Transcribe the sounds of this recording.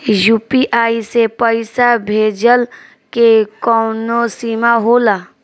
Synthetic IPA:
juːpiʔaːisepəɪsabʱeːd͡ʒəl | kekɔːnosiːmaɦoːlaː

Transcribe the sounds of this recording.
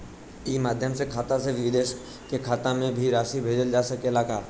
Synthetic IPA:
iːmaːd̪ʱjəmsekʰaːt̪ãseʋɪd̪eːʃ | kekʰaːt̪ãmẽbʱiɾaːʃibʱeːd͡ʒəld͡ʒaːsəkelaːkaːɾ

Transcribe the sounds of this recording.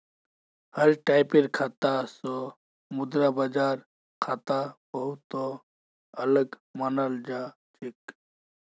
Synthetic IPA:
hɐɾʈaːjpiɾkʰat̪aso | mʊd̪ɾabɐd͡ʒaːɾ | kʰat̪abəɦut̪o | ɐləɡ | mɐnald͡ʒaː | t͡ʃik

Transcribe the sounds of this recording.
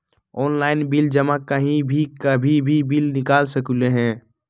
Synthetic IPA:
ɔːnlaːɪnbɪld͡ʒəmakːaɦĩbʱikabʱibʱibilnɪkaːlsəkuleɦɛ̃ː

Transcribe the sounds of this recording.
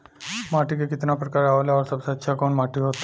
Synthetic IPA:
maʈikekɪt̪napɾəkaɾaʋolaɔɾsəbsat̪ːʃʰakoːnmaʈiɦot̪ːa

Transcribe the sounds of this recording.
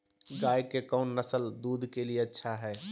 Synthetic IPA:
ɡaːjkekɔʊnːəsəld̪uːd̪ʱkelieətːʃʰaɦɛː

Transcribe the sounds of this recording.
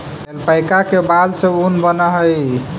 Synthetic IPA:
melpajkakebad̪sə̃unbənəɦəj

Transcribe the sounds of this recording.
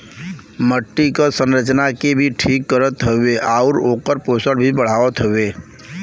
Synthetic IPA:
məʈːikasə̃nɾət͡ʃnakebʱiʈʰiːkːəɾət̪ɦəweʔaʊɾoːkəɾpoːsəɽbʱibəɽ̤aːʋət̪ɦəʋeː

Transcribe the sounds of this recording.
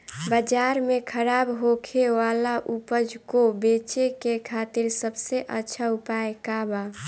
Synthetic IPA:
bəd͡ʒaɾmẽkʰəɾaːbɦokʰeʋalaʔupəd͡ʒkobet͡ʃekekʰaːt̪iɾsəbseʔətːʃʰaupaekaba

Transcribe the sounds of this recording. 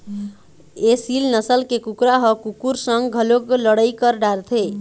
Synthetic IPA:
esilnʌsəlkekukɾaɦɔkukuɾsəŋɡɡʱəlokləɽəjkəɾɖaɾt̪ʰe

